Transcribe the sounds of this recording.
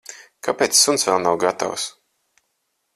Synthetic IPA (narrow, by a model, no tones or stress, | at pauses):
kʰapet̪ssːunsvɛlˠnawɡat̪a̰ws